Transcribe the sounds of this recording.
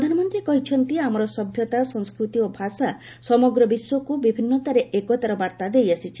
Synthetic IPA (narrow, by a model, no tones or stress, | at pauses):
d̪ʱanɔmɔnt̪ɾikɔɦit͡ʃʰɔnt̪iamɔɾɔsɔbʱjɔt̪asɔŋskɾut̪iobʱasa | sɔmɔɡɾɔbiswɔkubibʱinːɔt̪aɾeʔekɔt̪aɾɔbaɾt̪ad̪ejasit͡ʃʰi̥